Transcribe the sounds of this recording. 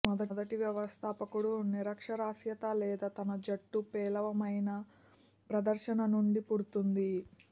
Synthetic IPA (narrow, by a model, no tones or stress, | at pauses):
mɔd̪ɐd̪ɐʈiʋjɐʋɐst̪ʰaːpɐkuɽuniɾɐkʂɐɾaːsjɐt̪aːlɛːd̪at̪ɐnɐd͡ʒɐʈːupɛːlɐʋɐmɐjnɐ | pɾɐd̪ɐɾʃɐnɐnuɳɖipuɽut̪und̪i